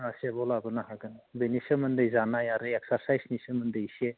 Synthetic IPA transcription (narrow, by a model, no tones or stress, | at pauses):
asebɔlabɯnaɦaɡɯnbenisɯmənd̪ɯjzanajaɾɯeksaɾsajsnisɯmənd̪ɯjsie